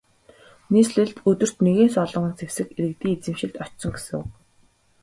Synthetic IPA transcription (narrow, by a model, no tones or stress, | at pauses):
niːsɮĕɮt̪ɵt̪ɵ̆r̥t̪neɣeːnsɔɮɞ̆ɴə̆nt͡sʰewsɘ̆keɾɘ̆k̚t̪iːet͡sɘ̆mʃɪ̆ɮt̪ɔt͡ɕsɞ̆ŋɡesɘ̆ŋ̰ː